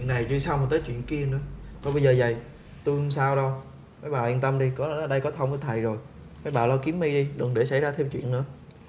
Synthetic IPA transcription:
nːa˨˩jt͡ɕɨ˧sa˧wŋ͡mt̪əː˨˦jt͡ɕwḭ˧˨ənki˧ənɨ̰˧˥əkɔ˨˦ɓə˧jzəː˨˩zə˨˩j | t̪u˧ŋ͡msaː˧wɗə˧w | kaː˨˦jɓaː˨˩ʔi˧nt̪ə˧mɗi˧kɔ˨˦˨ɗə˧jkɔ˨˦t̪ʰə˧wŋ͡mkə˨˦t̪ʰə˨˩jzo˨˩j | maː˨˦jɓaː˨˩lɔ˧ki˨˦əmːi˧ɗi˧ɗɨ˨˩ŋɗe˧˩sa˧˩jzaː˧t̪ʰɛ˧wt͡ɕwḭ˧˨ənːɨ̰˧˥ə

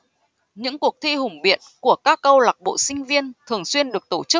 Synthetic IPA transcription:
ɲɨ̰˧˥ŋku˨˩ək̚t̪ʰi˧ɦʊ˨˩ŋ͡mɓḭ˧˨ənku˧˩əkaː˦˥k̚ʔə˧wla˨˩k̚ɓo̰˧˨sï˧ŋ̟vi˧ənt̪ʰɨ˨˩əŋswi˧ənɗɨ˨˩ək̚t̪o˧˩t͡ɕɨ˦˥k̚

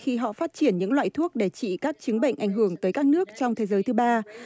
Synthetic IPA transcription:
xi˧ɦɔ̰˧˨faː˦˥t̚t͡ɕi˧˩ənɲɨ̰˧˥ŋlwa̰ː˧˨jt̪ʰu˦˥ək̚ɗe˧˩t͡ɕḭ˧˨kaː˦˥k̚t͡ɕɨ˨˦ŋɓə̰˧˨jŋ̟ʔa˧˩jŋ̟ɦɨ˧˩əŋt̪əː˨˦jkaː˦˥k̚nɨ˦˥ək̚t͡ɕɔ˧wŋ͡mt̪ʰe˨˦zəː˨˦jt̪ɨ˨˦ɓaː˧

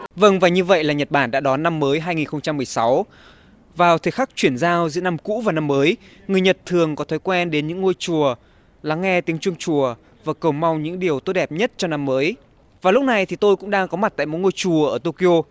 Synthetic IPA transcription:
və˧ŋvaː˨˩ɲɨ˧və̰˧˨jlaː˨˩ɲə˨˩t̚ɓaː˧˩nɗa̰ː˧˥ɗɔ˨˦nːa˧mːəː˨˦jɦaː˧jŋi˨˩nxə˧wŋ͡mt͡ɕa˧mːɨ˨˩əjsa˨˦w | vaː˨˩wt̪ʰe˨˦xa˦˥k̚t͡ɕwi˧˩ənzaː˧wzɨ̰˧˥na˧mkṵ˧˥vaː˨˩na˧mːəː˨˦j | ŋɨ˨˩əjɲə˨˩t̚t̪ʰɨ˨˩əŋkɔ˨˦t̪ʰɔ˨˦jkwɛ˧nɗe˨˦nɲɨ̰˧˥ŋːo˧jt͡ɕu˨˩ə | la˨˦ŋːɛ˧t̪i˨˦əŋt͡ɕwɨ˧əŋt͡ɕu˨˩ə | vaː˨˩kə˨˩wŋ͡mma˧wŋ͡mɲɨ̰˧˥ŋɗi˨˩əwt̪o˦˥ɗɛ˨˩p̚ɲə˦˥t̚t͡ɕɔ˧na˧mːəː˨˦j | vaː˨˩lʊ˦˥k͡p̚na˨˩jt̪ʰi˨˩t̪o˧jkʊ̰˧˥ŋ͡mɗaː˧ŋkɔ˨˦ma˨˩t̚t̪a̰˧˨jmo̰˧˥jŋo˧jt͡ɕu˨˩əʔəː˧˩t̪o˧ki˧ʔo˧

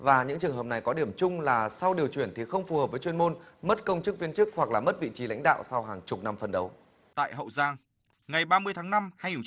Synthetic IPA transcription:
vaː˨˩ɲɨ̰˧˥ŋt͡ɕɨ˨˩əŋɦəː˨˩p̚na˨˩jkɔ˨˦ɗi˧˩əmt͡ɕʊ˧ŋ͡mlaː˨˩sa˧wɗi˨˩əwt͡ɕwḭ˧˩ənt̪ʰi˨˩xə˧wŋ͡mfu˨˩həː˨˩p̚vəː˨˦jt͡ɕwənmo˧nmə˦˥t̚kə˧wŋ͡mt͡ɕɨ˦˥k̚vi˧ənt͡ɕɨ˦˥k̚hwa˨˩k̚laː˨˩mə˦˥t̚vḭ˧˨t͡ɕi˨˦la̰˧˥jŋ̟ɗa̰ː˧˨wsa˧wɦaː˨˩ŋt͡ɕʊ˨˩k͡p̚na˧mfə˨˩nɗə˨˦w | t̪a̰ː˧˨jɦə̰˧˨wzaː˧ŋ | ŋa˨˩jɓaː˧mɨ˧əjt̪ʰaː˨˦ŋna˧mha˧jɲ˧˩

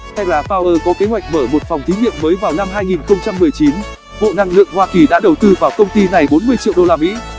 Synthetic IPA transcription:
t̪ʰa˧jlaː˨˩faː˧wʔəː˧kɔ˨˦ke˨˦ɦwa̰˧˨jk̟̚məː˧˩mo˨˩t̚fa˨˩wŋ͡mt̪i˨˦ŋḭ˧˨əmːəː˨˦jvaː˨˩wna˧mɦaː˧jŋi˨˩nxə˧wŋ͡mt͡ɕa˧mːɨ˨˩əjt͡ɕi˨˦n | ɓo̰˧˨na˧ŋlɨ̰˧˨əŋhwaː˧ki˨˩ɗa̰ː˧˥ɗə˨˩wt̪ɨ˧vaː˨˩wkə˧wŋ͡mt̪i˧na˨˩jɓo˨˦nmɨ˧əjt͡ɕḭ˧˨wɗo˧laː˧mḭ˧˥

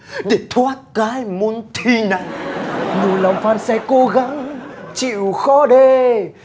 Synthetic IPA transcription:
ɗe˧˩t̪ʰwaː˨˦˥t̚kaː˨˦jmu˧˦ənt̪ʰi˧na̰˧˩˨jnu˨˩la˨˩wŋ͡mfaː˧nsɛ˧ko˧ɣa˨˦ŋt͡ɕḭ˧˨wxɔ˨˦ɗe˧

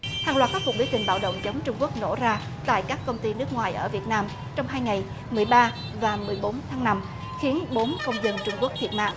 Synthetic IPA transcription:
haː˨˩ŋlwaː˨˩t̚kːaː˦˥kʊ˨˩ɓwt̪ï˨˩ŋ̟ɓa̰ː˧˩wɗə̰˧˨wŋ͡mzə˨˦wŋ͡mt͡ɕʊ˧ŋ͡mku˦˥ək̚no̰˧˩zaː˧ | t̪a̰ː˧˨jkaː˦˥kːə˧wŋ͡mt̪i˧nɨ˦˥ək̚ŋwaː˨˩jʔəː˧˩vi˨˩ət̚naː˧m | t͡ɕɔ˧wŋ͡mɦaː˧jŋa˨˩j | mɨ˨˩əjɓaː˧ | vaː˨˩mɨ˨˩əjɓo˨˦nt̪ʰaː˨˦ŋna˧m | xi˨˦ənɓo˨˦nkə˧wŋ͡mzə˧nt͡ɕʊ˧ŋ͡mku˦˥ək̚t̪ʰi˨˩t̚ma̰ː˧˨ʔ

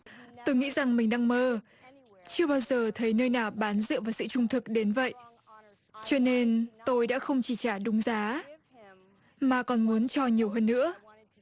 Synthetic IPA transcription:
t̪o˧jŋḭ˧˥za˨˩ŋmï˨˩ŋ̟ɗa˧ŋməː˧ | t͡ɕɨ˧əɓaː˧wzəː˨˩t̪ʰə˨˦jnəː˧jnaː˨˩wɓaː˨˦nzɨ̰˧˨vaː˨˩wsɨ̰˧˨t͡ɕʊ˧ŋ͡mt̪ʰɨ˨˩k̚ɗe˨˦nvə̰˧˨jʔ | t͡ɕɔ˧ne˧nt̪o˧jɗa̰ː˧˥xə˧wŋ͡mt͡ɕi˧˩t͡ɕaː˧˩ɗʊ˨˦ŋ͡mzaː˨˦ | maː˨˩kɔ˨˩nmu˨˦ənt͡ɕɔ˧ɲi˨˩əwɦəː˧nːɨ̰˧˥ə

